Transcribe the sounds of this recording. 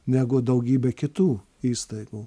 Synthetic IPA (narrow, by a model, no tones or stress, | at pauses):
nʲæːɡʊd̪ɐʊɡʲiːbʲɛkʲɪt̪uː | iːst̪ɐɪɡuː